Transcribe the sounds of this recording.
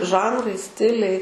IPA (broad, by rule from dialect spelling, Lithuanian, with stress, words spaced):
ˈʒɐnrɐɪ ˈsʲtʲɪlʲɛɪ